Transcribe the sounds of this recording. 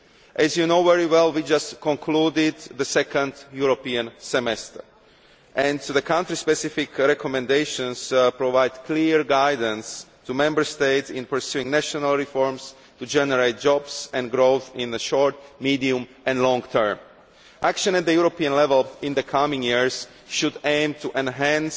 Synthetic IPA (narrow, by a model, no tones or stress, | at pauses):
ʔɛzjunoʊvɛɹiwɛlˠwid͡ʒastkʰɔ̃nkʰludɪd̪ðəsɛkə̃nd̪juɹopiə̃nsɛmɛstə˞ | ʔɛ̃ntðəkʰãntɹispɛsɪfɪkɹɛkʰɔmɛ̃ndeɪʃə̃nspɹɔvaɪdkʰliɹɡaɪdə̃nstumɛ̃mbə˞st̪eɪtsɪ̃npə˞sjuɪ̃ŋnæʃɔnalˠɹifɔɹms | tud͡ʒɛnəɹeɪt̪̚d͡ʒɔbsɛ̃nɡɾoʊθɪ̃nðəʃɔɹtmidiũmʔɛ̃nlɔ̃ŋt̪ʰɜ̃˞m | ʔækʃə̃nɛt̪̚ðəjuɹopiə̃nlɛvəlɪ̃nðəkʰamɪ̃ŋjiɹs | ʃudẽɪ̃mtuʔɛ̃nɦæ̃ns